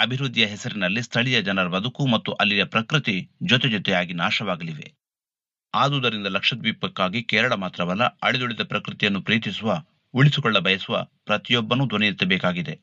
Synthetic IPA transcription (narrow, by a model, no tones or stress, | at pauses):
ɐbʱiɾud̪ʱːijɐɦɛsɐɾinɐlːist̪ʰɐɭijɐd͡ʒɐnɐɾɐbɐd̪ukumɐt̪ːuʔɐlːiɾɐpɾɐkɾɨt̪id͡ʒɔt̪ɛd͡ʒɔt̪ɛjaːɡinaːʃɐʋaːɡɐliʋe̞̰ | aːd̪uːd̪ɐɾind̪ɐlɐkʂɐt̪ʋipːɐkːaːɡikɛːɾɐɭɐmaːt̪ɾɐʋɐlːɐ̰ɐɭɛd̪uɭid̪ɐpɾɐkɾɨt̪ijɐnːupɾiːt̪isuʋɐ | uɭisukɔɭːɐbɐjɐsuʋɐ̰pɾɐt̪ijɔbːɐnud̪ʱunɛjit̪ːɐbɛːkaːɡid̪e